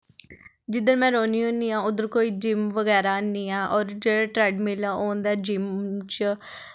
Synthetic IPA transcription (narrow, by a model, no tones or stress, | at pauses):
d͡ʒɪd̪əɾmɛ̃ːɾoːniːõːniːãːʊd̪əɾkoːiːd͡ʒɪmʋəɡɛːɾaːniːaːʔɔːɾd͡ʒeːɽaːʈɾɛːɖmɪlaːʔoːnd̪aːd͡ʒɪmt͡ʃ